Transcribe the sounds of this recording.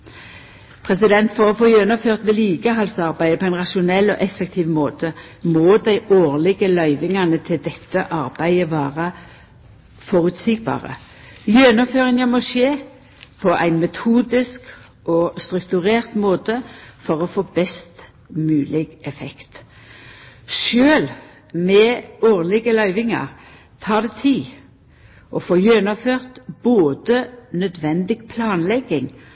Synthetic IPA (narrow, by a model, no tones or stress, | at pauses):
pʰʁɛsɪd̪ɛnt̪fɔʁɔfoːjœnɔføːʁt̪ʋɛliːɡəɦɑlsɑʁbæɪd̪əpʰɔæɪnʁɑʃʊnɛlːɔ̰ʔɛfɛkt̪ʰiːʋmoːt̪ʰəmoːd̪æɪʔoːʁlɪɡəlœʏʋɪŋɑnət̪ʰɪld̪ɛt̪ːəʔɑɾbæɪəʋæːʁə | fɔɾʉːt̪siːɡ̚bɑ̰ːʁə̰ | jœnɔføːʁɪŋəmɔʃeː | pʰɔʔæ̰ɪnmɛt̪ʰuːd̪ɪsk | ʔɔst̪ʁʉkt̪ʉʁeːʁt̪moːt̪əfɔʁɔfoːbɛst̪ | mʉːlɪɡɛfɛkt̪ | ʃøːl | mɛoːʁlɪɡəlœʏʋɪŋɑ̰ʁ | t̪ʰɑːd̪ɛt̪ʰiː | ʔɔfoːjønɔføːʁt̪boːd̪ənœd̪ʋɛnd̪ɪɡpʰlɑːnlɛɡɪŋ